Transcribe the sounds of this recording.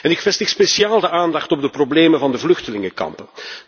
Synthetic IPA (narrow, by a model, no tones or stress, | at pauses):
ɛnɪkfɛstɪxspesiaːlˠdəʔaːndɑxtɔb̚dəprobleːmənvɑndəvlɵxtəlɪŋəkɑ̰mpən